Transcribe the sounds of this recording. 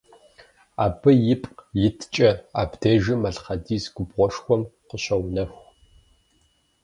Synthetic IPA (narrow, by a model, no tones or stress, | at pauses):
aːbɨjɪpʼjɪtʰt͡ʃʼɐaːbdʰeːʒɨmɐɮχɐdiːsɡʷʊbʁʷɔʂxʷɔmqəɕɐwnɐxʷ